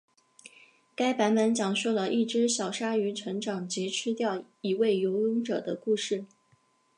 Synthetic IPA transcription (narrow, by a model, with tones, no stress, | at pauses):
ka˥ɪpa˧˥nmə˧˥nt͡ɕjɑ˨˩ŋʂu˥˩lə˩ʔi˥˩ʈ͡ʂɻ̩˥ɕjɑ˨˩ʊʂa˥y˧˥ʈ͡ʂʰɤ˧˥ŋʈ͡ʂɑ˨˩ŋt͡ɕi˧˥ʈ͡ʂʰɻ̩˥t̪jɑ˥˩ʊ | i˧˥we˥˩ɪjo˧˥ʊə˥ŋʈ͡ʂɤ˨˩d̪ə˦ku˥˧ʂɻ̩˥˩